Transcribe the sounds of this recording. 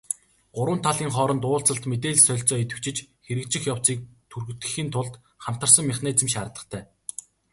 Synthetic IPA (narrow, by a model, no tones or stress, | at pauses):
ɢ̥ʊɾwə̆nt̪ʰaɮiːŋχɔːɾɞ̆nt̪ʊːɮt͡sə̆ɬt̪met̪̬eːɮsœɮʲt͡sɔːet̪ɘ̆wt͡ɕɪ̆t͡ɕxeɾɘ̆kt͡ɕɪ̆xjawt͡siːk̚t̪ʰurɣ̆t̪ɘ̥̆xiːnt̪ʰʊɮt̪ | χam̥t̪ə̆rsə̆ŋmʲɪχnæːt͡sɘ̆mʃaɾə̆t̪ə̆χt̪ʰæː